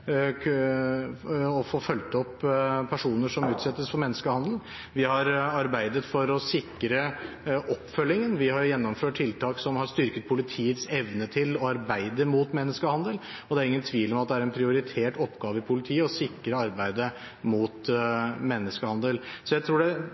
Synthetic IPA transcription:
ɔfoːfœlt̪ɔpːpʰæʂuːnəʂɔmʉːt̪sɛt̪ːəsfɔɾmɛnːəskəhɑnd̪l̩ | ʋɪhɑɾɑɾbæɪd̪ət̪fɔɾɔsɪkːɾə | ʔɔpːfœlːɪŋənʋɪhɑɾjɛnːɔmføːʈ̚ʰːɪlt̪ʰɑːksɔmhɑɾʂt̪ʏɾkət̪̚pʰʊlɪt̪ʰiːət̪sɛʋnət̪ʰɪlɔɑɾbæɪd̪əmuːt̪mɛnːəskəhɑnd̪əl | ɔd̪ɛæɾɪŋːənt̪ʰʋiːlɔmɑt̪̚d̪ɛæɾɛnpʰɾɪʊɾɪt̪ʰeːʈɔpːɡɑːʋəɪpʰʊlɪt̪ʰiːəɔsɪkːɾəɑɾbæɪd̪ə | muːt̪mɛnːəskəhɑnd̪əlsɔjæɪt̪ʰɾuːɖɛ

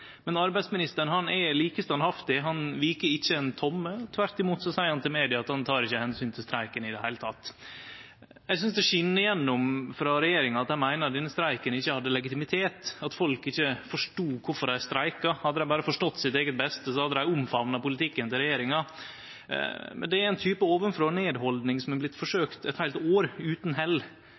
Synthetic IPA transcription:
mɛnɑɾbæɪd̪smɪnɪst̪əɳhɑnɛliːkəst̪ɑnhɑft̪ɪɦɑnʋiːkəɪçːəɛnt̪ʰɔmːət̪ʰʋæɾt̪ɪmuːt̪sɔsæɪəɾhɑnt̪ɪlmeːd̪ɪɑɑt̪hɑnt̪ʰɑːɾɪçːəhɛnsyːnt̪ʰɪlst̪ɾæɪkənɪd̪ɛhæɪlət̪ʰɑt̪ː | jɛɪs̬ʏnsd̪ɛʂʏnːəɪjɛnːʊmfɾɑɾɛjeːɾɪŋɑɑt̪hænmæɪnəɾɑt̪d̪ɪnːəst̪ɾæɪkənɪçːəhɑd̪ːəlɛɡɪt̪ɪmɪt̪ʰeːt̪ɑt̪fɔlkɪçːəfɔʂʈuːkʰʊɾfɔɾæɪst̪ɾæɪkɑhɑd̪ːəd̪æɪbɑːɾəfɔʂʈɔt̪ːsɪt̪eːɡət̪̚bɛst̪əsɔhɑd̪ːəd̪æɪʊmfɑʋnɑpʊlɪt̪ʰɪkːənt̪ɪɾɛjeːɾɪŋɑ | mɛ̰nd̪ɛæɾɛɪnt̪ʰyːpəoːʋənfɾoːneːd̪hɔld̪nɪŋsɔmblɪt̪ːfɔʂøːkt̪ɛt̪hæɪlt̪oːɾʉːt̪n̩ɦɛlː

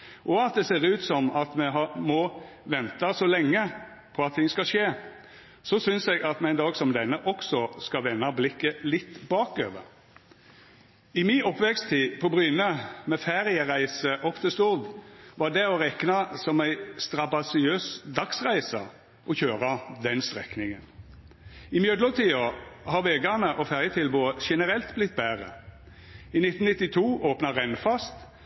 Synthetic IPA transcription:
ʔɔɑt̪̚d̪ɛseːʁʉːt̪sɔmɑt̪mɛɦɑmɔ | ʋɛnt̪ɑsɔlɛŋːə | pʰɔɑt̪ʰːɪŋːskɑʃeː | sɔsʏnsɛɡɑt̪mɛɪnd̪ɑːɡsɔmd̪ɛnːəʔɔksɔskɑʋɛnːɑblɪkːəlɪt̪ːbɑːkø̰ːʋə̰ɾ | ɪmɪɔpːʋɛkst̪ʰiːpʰɔbʁʏnəmɛfæɾjəʁæɪsəʔɔpːt̪ʰɪst̪ʊʁd̪ʋɑd̪ɛɔʁɛknɑsɔmæɪst̪ʁɑbɑsɪøːsd̪ɑksʁæɪsɑ | ʔɔçøːʁɑd̪ɛnst̪ʁɛknɪŋən | ɪmjœd̪lɔʁt̪ʰiːɑhɑʋeːɡænəʔɔfæʁjət̪ʰɪlbuːəʃɛnəʁɛlt̪blɪt̪ːbæːʁə̰ | ɪnɪt̪ːn̩nɪt̪ːɪt̪ʰuːʔoːpnɑʁɛnfɑst̪

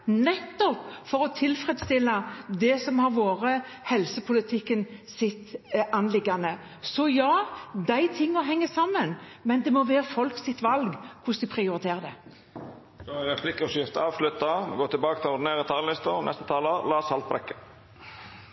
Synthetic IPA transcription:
nɛt̪ːɔpfɔɾɔt̪ʰɪlfɾɛd̪st̪ɪlːɑd̪ɛsɔmhɑɾʋoːɾə | hɛlsəpʰʊlət̪ʰɪkːənsɪt̪ːɑnlɪɡːɑnə | sɔjɑːd̪æɪt̪ʰɪŋːəɦɛŋːəsɑmːənmɛnd̪ɛmɔʋæːɾəfɔlksɪt̪ʋɑlɡkʰʊsd̪ɪpʰʁɪʊɾɪt̪ʰeːɾəd̪ɛ | d̪̥oæɾɛpʰlɪkːəɔsjɪft̪əɑːʋʂlʉt̪ːɑmɡoːt̪ʰɪlbɑːkət̪ʰɪlɔd̪ɪneːɾət̪ʰɑːllɪst̪ənʔɛst̪ə̥t̪ʰɑːloːlɑːsɑlt̪̚bɾɛ̰kːə̥

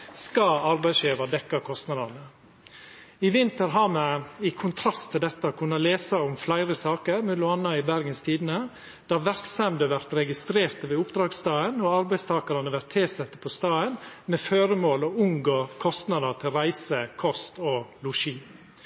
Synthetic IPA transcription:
skɑɑɾbæɪsjeːʋɑd̪ɛkːɑkʰɔst̪nɑd̪ɑɾnə | ɪʋɪnt̪əɾɦɑːmɛɪkʰːʊnt̪ʰɾɑst̪ʰɪld̪ɛt̪ːəkʰʉnːɑleːsɑɔmflæɪɾəsɑːkəɾmʉlʊɑnːɑɪbæɾɡənst̪ʰiːd̪ən̩ə | d̪̥ɑːʋæɾksɛmd̪əʋæɾt̪ɾɛɡɪst̪ɾeːɾt̪əʋɛːʊpd̪ɾɑːɡst̪ɑːənɔɑɾbæɪst̪ʰɑːkɑɾɑnəʋæɾt̪ʰːeːsɛt̪ːə̥pʰɔst̪ɑːənmɛføːɾəmoːlɔʉŋɡoːkʰɔst̪nɑd̪ət̪ʰɪlɾæɪsəkʰɔst̪ɔlʊʂiː

